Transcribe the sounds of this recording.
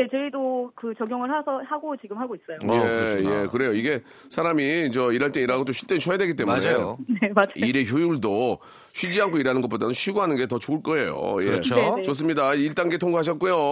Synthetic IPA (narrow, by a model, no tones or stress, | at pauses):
et͡ɕʌidokɯt͡ɕʌɡjoŋɯɭhasʰʌhaɡot͡ɕiɡɯmɦaɡois͈ʌjojejekɯɾe̞joiɡe̞ | sʰaɾamit͡ɕʌiɾaɭt͈eiɾaɡot͈oɕʰiɭt͈enɕʰʌjedwe̞ɡit͈e̞muneonemad͡ʑaiɾe̞çjujuɭdo | ɕʰid͡ʑiɦankʰoiɾanɯnɡʌtp͈odanɯnɕʰiɡuɦanɯnɡe̞tʌt͡ɕoɯɭk͈ʌe̞̰jo̰jḛt͡ɕos̬͈ɯmɲidaiɭt͈aŋɡetʰoŋɡuɦaɕ̬ʰʌt̚k͈ujo